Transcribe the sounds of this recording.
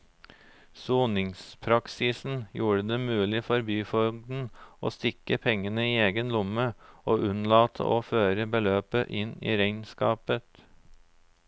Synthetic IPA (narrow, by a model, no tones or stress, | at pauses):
suːnɪŋspʰɾɑksɪsn̩juːɹəd̪eːmʉːlɪfɔɾbyːfɔɡd̪n̩ʔo̰ːst̪ɪkəpʰɛŋːənəiːeːɡənlʊməoːʔʉnlɑːt̪ʰə̰ʔoːføːɾəbəløːpəʔɪnḭːɾæɪnskɑːpət̪